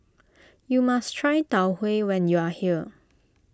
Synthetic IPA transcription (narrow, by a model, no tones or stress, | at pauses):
jumastʰɹajtawhwewɛ̃njuahiə